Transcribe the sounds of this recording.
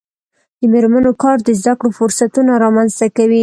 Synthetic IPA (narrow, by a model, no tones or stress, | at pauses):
d̪̥əmeɾmanokɑɾd̪əzd̪akɽofʊɾsat̪unaɾɑmanzt̪akawi